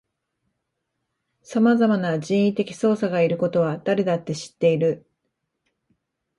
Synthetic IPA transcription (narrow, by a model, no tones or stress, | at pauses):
samazamanaʑĩɰ̃it̪e̞kʲi̥so̞ːsaɡaiɾɯ̟ko̞t̪o̞β̞ad̪̥aɾe̞d̪at̪ːe̞ɕi̥t̪ːe̞iɾɯ̟